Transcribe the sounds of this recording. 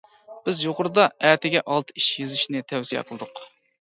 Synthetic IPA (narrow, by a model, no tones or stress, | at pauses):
b̥ɪzjoqʊɾɨd̪ɑæːt̪ʰɪɡʲɛʔɑlˠt̪ʰɨ̥iʃjezyʃnɪt̪ʰɛwsijɛ̰qʰəlˠɨd̪ʊq